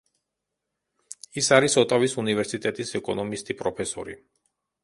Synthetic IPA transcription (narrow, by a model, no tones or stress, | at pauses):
isaɾisɔt̪ʼavisunivɛɾsit̪ʼɛt̪ʼisɛkʼɔnɔmist̪ʼipʼɾɔpʰɛsɔ̰ɾḭ